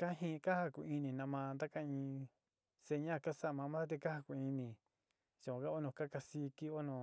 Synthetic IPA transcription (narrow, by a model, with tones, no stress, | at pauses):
ka˦ɦĩ˦˧ka˦ha˦ku˧˨i˧nĩ˨nã˧mã˧nd̪a˦ka˦ĩ˧ | se˧ɲã˦˨ka˦sa˦˨mã˧mã˦ðt̪̬e˧ka˦ha˧ku˧˨i˧nĩ˨ | t͡ʃa˨kʷã˨˧ka˦o˦nõ˧˨ka˦ka˧si˧˦ki˦o˦nõ˨